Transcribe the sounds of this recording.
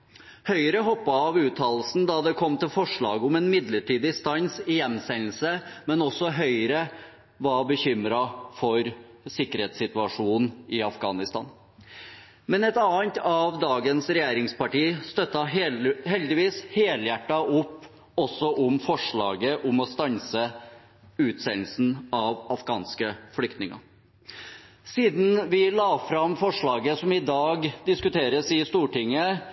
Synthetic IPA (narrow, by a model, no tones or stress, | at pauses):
hœʏɾəɦɔpːɑɑʋʉːt̪ʰɑːllsn̩d̪ɑd̪ɛkʰɔmːt̪ɪlfɔʂɭɑ̰ːɡʊmɛnmɪd̪ləʈiːd̪ɪst̪ɑŋsɪjɛnːsɛnl̩səmɛnɔsːɔɦœʏɾə | ʋɑbəçʏmɾɑfɔɾ | sɪkːəɾeːt̪sɪt̪ʉɑʂuːnɪɑfɡɑ̰ːnɪst̪ɑ̰ːn | mɛnɛt̪ɑːənt̪ɑʋd̪ɑːɡənsɾɛjeːɾɪŋspɑʈiːst̪œt̪ːɑɦhɛld̪ɪʋiːsheːljæʈːɑʔʊpː | ɔsːɔʔʊmfɔʂɭɑ̰ːɡəʔɔmɔst̪ɑnsə | ʉːt̪sɛnl̩sn̩ɑʋɑfɡɑːnskəfɔlʏk̚t̪nɪŋɑ̰ | siːd̪n̩ʋɪlɑːfɾɑmfɔʂɭɑːɡəsɔmɪd̪ɑːɡd̪ɪskʉt̪ʰeːɾəsɪst̪uːʈɪŋːə